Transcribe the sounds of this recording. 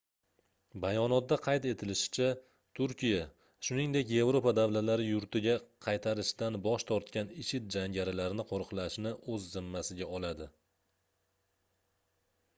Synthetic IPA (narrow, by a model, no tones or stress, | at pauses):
bajɒnɒt̪̚d̪aqʰɑjt̪e̞t̪ʰɪlɪʃɪ̥t͡ʃʰa | t̪ʰʊɾkʲija | ʃʊnɪŋd̪e̞kʲje̞vɾo̞pad̪avlat̪laɾɪjʊɾt̪ɪɡʲaqʰɑjt̪ʰaɾɪʃd̪anbɒʃt̪ʰɒɾt̪kʲanɪʃɪt̪̚d͡ʒaŋɡʲaɾɪlaɾɪnɪqʰoɾqʰlaʃnɪʔɵzːɪmːasɪɡʲaɒlad̪ɪ